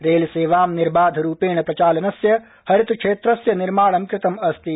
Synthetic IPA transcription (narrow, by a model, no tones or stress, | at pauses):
ɾeːlseːʋaːmnɪɾbaːd̪ʱɾuːpeːɳɐpɾɐt͡ʃaːlɐnɐsjɐ | hɐɾɪt̪kʃeːt̪ɾɐsjɐnɪɾmaːɭɐmkɾɪt̪ɐmɐst̪i